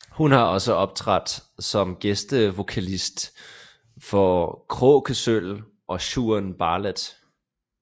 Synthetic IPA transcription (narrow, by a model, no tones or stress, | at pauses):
hunhɑ̈ɒ̽səɒ̽b̥̚t͡sʰʁad̥sɒ̽mɡ̥esd̥əʋo̝kʰælisd̥ | fɒkʰʁɔ̰ːkʰəsøl | ʔɒ̽ɕuɐnb̥ɑ̈ːləd̥